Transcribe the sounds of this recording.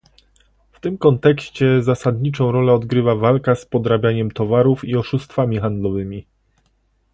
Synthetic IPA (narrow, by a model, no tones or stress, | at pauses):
ft̪ɘmkɔnt̪ɛkɕt͡ɕɛzasad̪ɲit͡ʂɔ̃w̃ɾɔlɛɔd̪ɡɾɘvavalkaspɔd̪ɾabʲjaɲɛmt̪ɔvaɾufiɔʂust̪famʲixand̪lɔvɘmʲi